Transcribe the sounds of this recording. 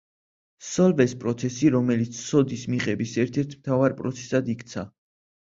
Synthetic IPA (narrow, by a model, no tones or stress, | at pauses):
sɔlvɛspʼɾɔt̪sʰɛsiɾɔmɛlit̪sʰsɔd̪ismiqʼɛbisɛɾt̪ʰɛɾt̪ʰmt̪ʰavaɾpʼɾɔ̰t̪sʰɛ̥sad̪ikt̪sʰa